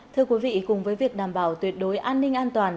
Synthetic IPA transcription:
t̪ʰɨ˧əkwi˨˦vḭ˧˨kʊ˨˩ŋ͡mvəː˨˦jvi˨˩ək̚ɗaː˨˩mɓaː˧˩wt̪wi˨˩ət̚ɗo˨˦jʔaː˧nːï˧ŋ̟ʔaː˧nt̪waː˨˩n

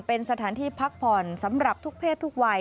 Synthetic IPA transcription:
pe˧nsa˧t̪ʰaː˩˦nt̪ʰiː˧pʰa˦˥k̚pʰɔː˨˩nsa˩˦mɾa˨˩p̚t̪ʰu˦˥k̚pʰeː˥˩t̪ʰːu˦˥k̚wa˧

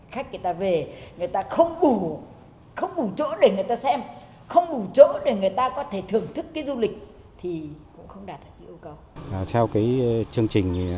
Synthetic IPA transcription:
xa˦˥jk̟̚ŋɨ˨˩jt̪aː˧ve˨˩ŋɨ˨˩əjt̪aː˧xə˧wŋ͡mɗu˧˩ | xə˧wŋ͡mɗu˧˩t͡ɕo̰˧˥ɗe˧˩ŋɨ˨˩əjt̪aː˧sɛ˧m | xə˧wŋ͡mɗu˧˩t͡ɕo̰ː˧˥ɗe˧˩ŋɨ˨˩əjt̪aː˧kɔ˨˦t̪ʰe˧˩t̪ʰɨ˨˩əŋt̪ʰɨ˦˥kːaː˨˦jzu˧lï˨˩k̟̚ | t̪ʰi˨˩kʊ̰˧˥ŋ͡mxə˧wŋ͡mɗaː˨˩t̚ɗaː˨˩ki˨˧˦ʔə˧wkə˧wt̪ʰɛ˧wkaː˨˦jt͡ɕɨ˧əŋt͡ɕï˨˩ŋ̟

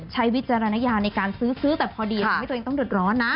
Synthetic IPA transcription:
t͡ɕʰa˦˥jwi˦˥t̪̚t͡ɕa˧ɾa˧na˦˧˥jaː˧na˧jkaː˧nsɯː˦˥sɯː˦˥t̪ɛː˨˩pʰɔː˧diː˧˥˩t̪ːeː˧t̪ɔ˥˩ŋdɯ˨˩ət̪̚ɾɔː˦˥nːa˦˥

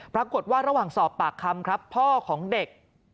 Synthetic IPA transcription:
pɾa˧ku˨˩t̪̚waː˥˩ɾa˧waː˨˩ŋsɔː˨˩pːaː˨˩kʰːa˧mkʰɾa˦˥pʰːɔː˥˩kʰɔː˩˦ŋde˨˩k̚

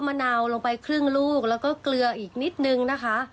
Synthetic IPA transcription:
maː˧na˧wlo˧ŋpa˧jkʰɾɯ˥˩ŋluː˥˩k̚lɛː˦˥wkɔː˥˩klɯ˧ɐʔiː˨˩k̚ni˦˥t̪̚nɯ˧ŋna˦˥kʰa˦˥ʔ

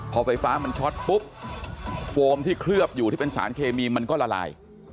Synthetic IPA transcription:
pʰɔː˧fa˧jfaː˦˥ma˧nt͡ɕʰɔ˦˥t̪̚pu˦˥p̚ | foː˧mt̪ʰiː˥˩kʰɾɯ˥˩əp̚juː˨˩iː˥˩pe˧nsa̰ː˩˦nkʰeː˧miː˧ma˧nkɔː˥˩la˧la̰ː˧j

